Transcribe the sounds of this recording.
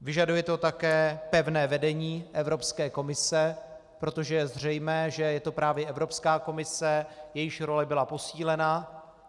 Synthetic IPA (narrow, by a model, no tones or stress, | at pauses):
vɪʒadujɛt̪o̞t̪akɛːpɛvnɛːvɛdɛɲiːʔɛvɾo̞pskɛːko̞mɪsɛ | pɾo̞t̪o̞ʒɛjɛzr̝ɛjmɛːʒɛjɛt̪o̞pɾaːvjɛʔɛvɾo̞pskaːko̞mɪsɛjɛjɪʃɾo̞lɛbɪlapo̞siːlɛna